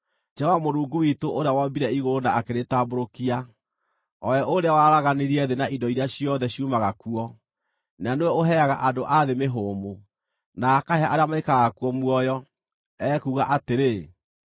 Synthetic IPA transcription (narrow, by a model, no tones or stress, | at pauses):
d͡ʒɛwamoɾuːŋɡuwitoʔoɾeawambiɾɛiɣoɾonaːkeɾetaːboɾokia | ɔɛʔoɾeawaɾaɣaneɾiɛðenaʔidɔiɾjaɕiɔðɛɕjumaɣakuɔ | nanewɛoɦɛaɣaʔadoʔaðemeɦoːmo | naːkaheaʔaɾeamaekaɣakuɔmwɔjɔ | ɛkuɣaʔateɾe